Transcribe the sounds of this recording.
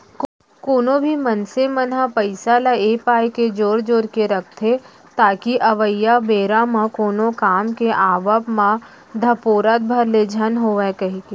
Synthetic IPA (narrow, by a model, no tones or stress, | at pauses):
koːnõbʱimɐnsemənãpɐɪsalaeːpaːjked͡ʒoːɾd͡ʒoːɾkeɾɐk̚ʰt̪ʰe | t̪aːkiʔɐʋəjːabeːɾamãkoːnokaːmkeʔaːʋəpmã | d̪ʱɐpoːɾət̪̚bʱɐɾled͡ʒʱɐnɦoːʋekɐɦike